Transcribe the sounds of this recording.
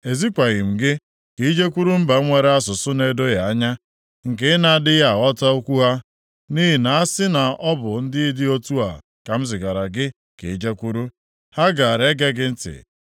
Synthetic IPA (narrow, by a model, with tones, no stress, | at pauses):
e˨zi˦kʷa˨ɣɪ˨m̩˨ɡɪ˦ | ki˨˦d͡ʒe˦kʷu˦ɾu˦m̩˦ba˨˦ŋʷe˨ɾe˦a˦s̬ʊ˨sʊ˦ne˨do˦ja˨a˦ɲa˦ | ŋ̩˨ke˦ɪ˦na˨dɪ˦ja˦˨ɔ˦tɔ˦o˦kʷu˦ɦa˦ | ni˦ɦi˨na˨a˦sɪ˦na˨ɔ˦bʊ˨n̩˦dɪ˦i˦dɪ˦o˦tu˦a̰˨ | ka˨m̩˦zɪ˨ɡa˨ɾa˨ɡɪ˦ | kḛ˨˦d͡ʒe˦kʷu˦ɾu˦ | ha˦ɡa˨a˨ɾe˦ɡe˦ɡɪ˦n̩˦tɪ̰˨